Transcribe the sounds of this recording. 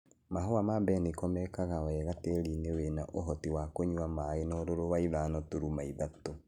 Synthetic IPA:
maɦoamabɛnikɔmɛkaɣawɛːɣateɾinewenaʔoɦɔtiwakoɲwamaenɔɾoɾowaiðanɔtoɾumaiðato

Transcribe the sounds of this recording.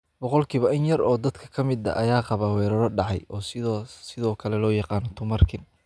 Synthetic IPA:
bɔqɔlkʰiːβɐʔɪnjɐrɔːd̪ɐd̪kʰɐ̥kʰɐmɪd̪ɐ̰ʔɐjaːqɑβaːwɛːɾɐɾɔɖɑʕɑjʔɔːsɪðɔːkʰɐlɛlɔːjɑqɑːnɔt̪ʰʊmɐrkʰɪn

